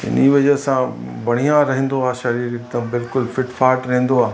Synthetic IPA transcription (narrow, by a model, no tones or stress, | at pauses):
ɪ̰niʋɐd͡ʑəsãbʱɐɽ̤̃ijãɾɐɦẽn̆d̪oaːʃɐɾiːɾɪk̚d̪ɐ̃bɪlkʊlfɪʈfaːɾʈɾɐɦẽn̆d̪oaː